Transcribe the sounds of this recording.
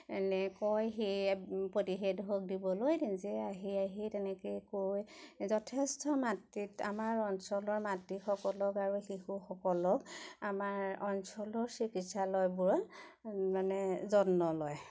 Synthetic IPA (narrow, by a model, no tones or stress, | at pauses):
ɛ̰nɛkɔjxejpotiɦedɦok̚dibɔlojzɛaɦiaɦitɛnɛkejkojzɔtʰestɔmatːita̰maɹɔnsɔlɔɹmatːixɔkɔlɔkaɹuxixuxɔkɔlɔkamaɹɔnsɔlɔɹsikitsalɔjbʊɹ | manɛzɔnːɔlɔj